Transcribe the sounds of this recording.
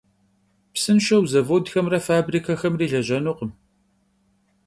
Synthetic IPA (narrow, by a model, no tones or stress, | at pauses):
psɨnʃɐwzɐvɐwdxɐmrɐfaːbriːkʰɐxɐmriːɮɐʒɐnuqəm